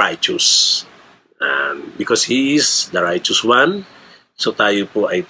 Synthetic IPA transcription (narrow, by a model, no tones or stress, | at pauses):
ajt͡ʃʊs | a̰bɪkɔshiɪsd̪ɐɹajt͡ʃʊswãn | sot̪aːjopoʔaj